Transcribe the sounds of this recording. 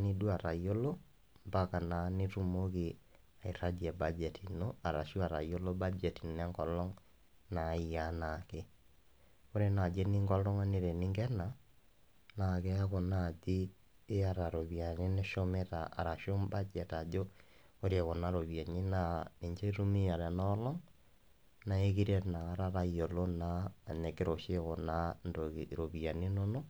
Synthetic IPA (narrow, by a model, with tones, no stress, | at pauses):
ni˦dwa˨ɾa˨jo˦lo˦ | mba˦ka˨na˨˦ne˦ɾu˦moke | a˨i˨ɾa˦d͡ʒiɛ˨bad͡ʒɛtʰi˨no˦a˨ɾa̰˨ʃu˦a˨ɾa̰˨jo˦lo˦ba˦d͡ʒɛ˨ti˨nɛ˦ŋɡɔ˨lɔ˦ŋ | na˨i˨a˦na˨ke˦ | o˦ɾe˦na˨d͡ʒɛ˦ni˦ŋɡɔ˦lɔ˦ŋa˦ne˨ɾɛ˨ni˦ŋɡɛ˦na˨ | na˨kɛ˦a˦kɔ˨na˨d͡ʒe˦ | e˦a˨ɾa˨ɾo˨βi˨a˨ne˦ne˦ʃo˦me˦ta̰ː˨ɾa˨ʃo˦mba˦t͡ʃɛ˨ta˨d͡ʒo˦ | o˦ɾe˨ko˨na˦ɾo˨βja˨ɲe˦na˨ne˨ɲt͡ʃe˦ɾu˦me˦a˨ɾɛ˨nɔ˦lɔ˦ŋ | na˨e˦ki˦ɾɛ˦tna˨ɣa˦ɾa˦ɾa˦io˨lo˦naː˦˨ne˨ke˦ɾo˨ʃe˦ko˨na˦no˨ɾo˨βi˨a˨ne˦no˦no˦